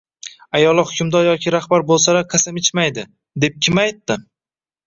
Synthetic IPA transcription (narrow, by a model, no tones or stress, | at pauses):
ajɒlˠɪhʊkʲʰʊmd̪ɒɾjɒkʲʰɪɾahbaɾbolˠsaɾaqʰasamɪt͡ʃmajd̪ɪ | d̪e̞p̚kʲʰɪmajt̪ːɪ